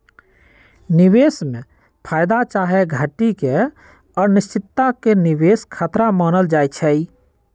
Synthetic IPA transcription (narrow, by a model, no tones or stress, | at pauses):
nɪweːsmẽ | pʰaːjd̪at͡ʃaɦeɡʱəʈike | ɔːɾnɪst͡ʃɪt̪ːakeniweːskʰat̪ɾamaːnəld͡ʒaːjt͡ʃʰɛi